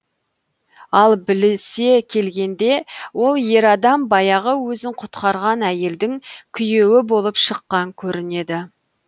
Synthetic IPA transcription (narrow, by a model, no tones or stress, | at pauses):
ɑlˠbɪlɪse̞kʲʰe̞lɡʲe̞nd̪e̞wo̞lˠje̞ɾɑd̪ɑmbɑjɑʁəwɵzɪɴqʰʊ̥t̪qɑɾʁɑnæje̞ld̪ɪŋkʲʰʏje̞wɪbo̞lˠəpʃəqːɑŋkʲʰɵɾɪne̞d̪ɪ